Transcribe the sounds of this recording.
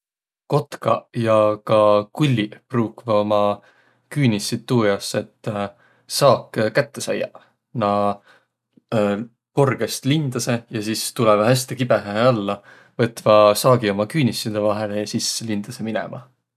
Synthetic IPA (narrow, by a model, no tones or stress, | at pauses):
ko̞t̪kɑ̰jɑkɑkulʲːipruːkvɑo̞mɑ | kyːnʲisːit̪ːuːjɑse̞t̪ː | sɑːkːkæt̪ːe̞sɑ̰jːɑ̰ | nɑ | korɡ̥e̞st̪lind̪̥ɑse̞jɑsist̪ulɛvɑhæsʲt̪ikibeɦæeɑlːɑ | vɤt̪ːvɑsɑːɡio̞mɑkyːnʲisːid̪̥evɑɦe̞lejɑsisːelind̪̥ɑse̞minɛ̰mɑ̰